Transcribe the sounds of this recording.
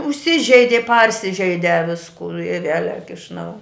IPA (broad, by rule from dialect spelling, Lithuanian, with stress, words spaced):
ʊʃʲˈsʲɪʒʲɛɪdʲɪ ˈpɐrʲsʲɪʒʲɛɪdʲɛ ˈʋʲɪskuː ɪ ˈʋʲiɛlʲɛk ɪʃ ˈnɐʊ